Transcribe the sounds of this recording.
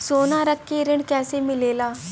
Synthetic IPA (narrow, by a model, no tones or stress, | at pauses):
soːnãːɾəkʰːeːɾɪɳɖkɛːseːmɪleːlaː